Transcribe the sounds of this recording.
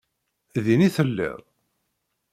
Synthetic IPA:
ðiniθəlːɪ̰ðˤ

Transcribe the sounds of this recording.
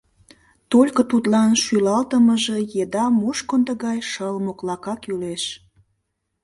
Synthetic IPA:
t̪olʲkət̪ut̪lɑnʃylɑlt̪əməʒe̽jed̪ɑmuʃkond̪əɣɑjʃəlmoklɑkɑkyleʃ

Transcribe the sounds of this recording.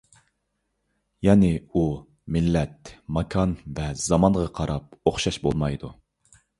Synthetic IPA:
jɛnɪu | mɪlːɛt̪mɑkʰɑnvɛz̥ɑmɑɴʁɑqʰɑɾɑp̚oχʃɑʃbo̰lˠmɑjd̪u

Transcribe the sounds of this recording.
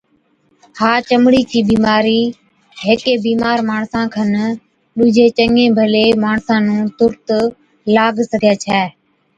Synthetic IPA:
haːt͡ʃəmɽiːkiːbiːmaːɾiː | ɦɪkeːbiːmaːɾmaːɳsãːkʰən | ɗʊd͡ʒʱeːt͡ʃəŋẽːbʱəleːmaːɳsãːnũːt̪ʊɾt̪ | laːɡsəɡʱijaːt͡ʃʰɛː

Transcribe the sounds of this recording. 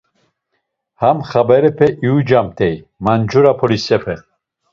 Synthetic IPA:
hamχabɛɾɛpʰɛʔiud͡ʒamt̪ʰɛj | mand͡ʒuɾapʰɔɾisɛpʰɛ

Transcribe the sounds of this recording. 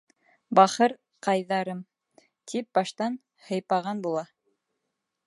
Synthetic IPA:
bɑχɤɾ | qɑjðɑɾɤm | t̪ʰip̚bɑʃt̪ɑn | hɤ̆jpɑʁɑnbulˠɑ

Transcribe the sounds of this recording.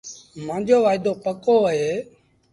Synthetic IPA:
mãːd͡ʒoːʋaːɪd̪oːpəkoːəɦeː

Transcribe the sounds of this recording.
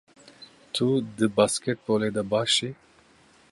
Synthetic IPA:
t̪ʰud̪ɨbaːskɛt̪̚boːleːd̪ɐbaːʃi

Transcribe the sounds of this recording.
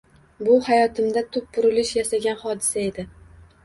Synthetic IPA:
bʊhajɒt̪ʰɪmd̪at̪ʰʊp̚bʊɾɪlɪʃjasaɡʲanhɒd̪ɪsae̞d̪ɪ

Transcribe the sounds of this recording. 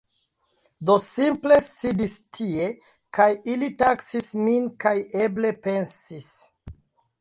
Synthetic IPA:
dosimple̞sidistʰie̞ | kajilitaksisminkaje̞ble̞pe̞nsis

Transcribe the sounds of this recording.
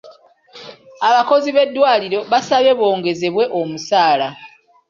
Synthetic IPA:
aβako̞ziβe̞dːwaːliɾo̞βasaβe̞βwo̞ːŋɡe̞ze̞βwe̞ʔomusaːla

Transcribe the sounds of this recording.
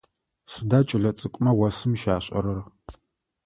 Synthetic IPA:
sɨdaːt͡ʃʼɪɮɐt͡sʼɨkʷʼmɐwɐsɨmʃaːɕʼɐ̰ɾɐr

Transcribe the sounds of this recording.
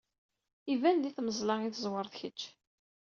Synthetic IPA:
ivænðiθməzlɑiθəzwəɾˤðçət͡ʃː

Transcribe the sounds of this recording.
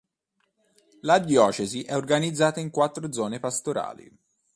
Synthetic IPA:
lad̪jɔːt͡ʃeziʔɛorɡanid̪zːaːt̪aiŋkwat̪ːɾod̪zɔːnepast̪oɾa̰ːlḭ

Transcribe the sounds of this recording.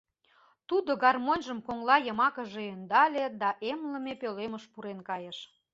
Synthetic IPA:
t̪ud̪oɡɑrmonʲʒəmkoŋlɑjə̆mɑkə̆ʒeønd̪ɑlʲed̪ɑʔemlə̆mepøleməʃpuɾenkɑjəʃ

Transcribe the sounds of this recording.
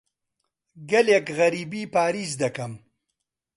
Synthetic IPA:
ɡɐlekɣɐɾiːbiːpaːɾiːzd̪ɐkɐm

